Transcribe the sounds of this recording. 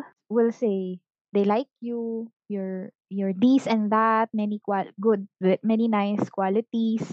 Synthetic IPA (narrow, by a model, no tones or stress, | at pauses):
wɪlsej | d̪ejlaɪk̚ju | jɔɹ | jɔɹd̪isɛ̃nðat̪̚mɛnikwaɡʊd̪̚ɛt̚mɛninajskwalɪt̪is